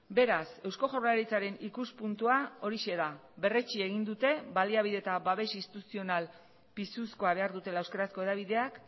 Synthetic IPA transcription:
be̞ɾase̞wsko̞ʝoɾlaɾit͡saɾe̞nikuspunt̪uao̞ɾiʃe̞ða | βe̞ret͡ʃie̞ɣ̞ind̪ut̪e̞βaliaβ̞iðe̞t̪abaβe̞sinst̪i̥t̪usio̞nal | pisusko̞aβe̞aɾðut̪e̞laewske̞ɾasko̞e̞ðaβ̞iðe̞ak

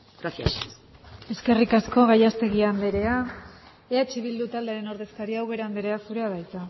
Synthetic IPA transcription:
ɡɾasia̰s | e̞ske̞rikasko̞ɣajast̪e̞ɣ̞iand̪eɾe̞a | eat͡ʃiβ̞ild̪ut̪ald̪eaɾe̞no̞ɾðe̞skaɾiawɣe̞ɾand̪eɾe̞asuɾe̞aðajt͡sa

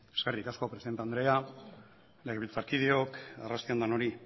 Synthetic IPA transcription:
e̞ske̞rikasko̞pɾesiðe̞nt̪eand̪ɾe̞a | le̞ɣeβilt͡saɾkið̞io̞karast̪iand̪ano̞ɾi

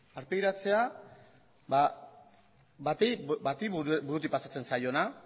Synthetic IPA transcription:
aɾpejɾat͡se̞a | ba | bat̪ebat̪ibuɾut̪̬ipasat͡se̞nsajo̞na

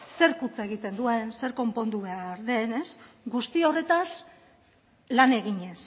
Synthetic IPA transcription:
se̞ɾkut͡saeɣ̞it̪e̞nd̪ue̞nse̞ɾko̞mpo̞nd̪uβe̞aɾðe̞ne̞s | ɡust̪io̞re̞t̪as | lane̞ɣiɲe̞s

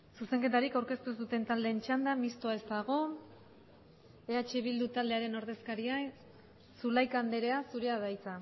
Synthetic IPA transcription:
suse̞ŋke̞t̪aɾikawɾke̞st̪usut̪e̞nt̪ald̪e̞ːnt͡ʃand̪amist̪oae̞st̪aɣ̞o̞ | eat͡ʃiβild̪ut̪ald̪e̞aɾe̞no̞ɾðe̞skaɾia | sulajkand̪e̞ɾe̞asuɾeaðajt͡sa

